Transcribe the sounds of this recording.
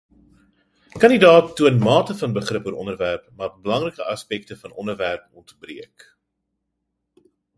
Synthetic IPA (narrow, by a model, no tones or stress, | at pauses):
kɐnidɑːtːuənmɑːtəfɐnbəχrəpuəɾʔɔnərværpmɑːrbəlɐŋrəkəʔɐspɛk̚təfɐnʔɔndərværpɔntbriək